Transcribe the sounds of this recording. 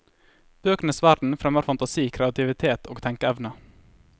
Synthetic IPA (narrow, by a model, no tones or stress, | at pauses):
b̥øːknəsʋæɾd̪n̩fɾɛməɾfɑnt̪ɑsiːkʰɾɛɑt̪ʰɪʋɪt̪ʰeːt̪ʰoːɡt̪ʰɛŋkəɛʋnə